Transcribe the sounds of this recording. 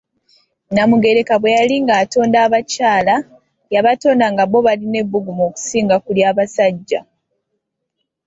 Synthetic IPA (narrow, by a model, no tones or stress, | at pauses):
namuɡe̞ɾe̞kaβwe̞jaliŋɡaːto̞ːndaːβacaːla | jaβato̞ːndaŋɡaβo̞βaline̞βːuɡumoːku̥siːŋɡakuljaːβasaɟːa